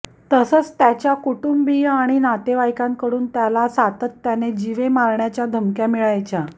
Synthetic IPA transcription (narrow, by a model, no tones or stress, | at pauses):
t̪əsət͡st̪jat͡ɕjakuʈumbiaɽ̃inat̪eʋajkãŋkəɽuːnt̪jalasat̪ət̪ːjaned͡ʑiʋemaɾɳjat͡ɕjad̪ʱəmkjamiɭajt͡ɕa